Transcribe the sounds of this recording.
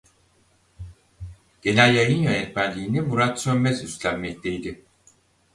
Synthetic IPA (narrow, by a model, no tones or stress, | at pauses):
ɟ̥e̞nælʲjajɯnjønɛt̪mænlʲiːnimuɾat̪sømmɛzyst̪lʲæmːɛc̚lʲejd̪ɪ